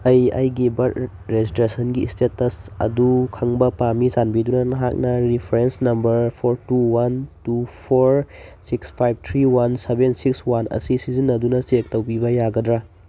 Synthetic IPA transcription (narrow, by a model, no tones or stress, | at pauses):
ɐjɐjɡibɐt̚ | ɾezistɾesɐnɡistetɐsɐ̰dukʰɐŋbɐpamizanbidunɐnɐɦak̚nɐɾipʰɾensnɐmbɐɾpʰoɾtuwantupʰoɾsikspʰajb̚ʱt̪ʰɾiwansebensikswanʔɐ̰sisizinːɐdunɐsek̚tɐwbibɐjaɡɐdɾa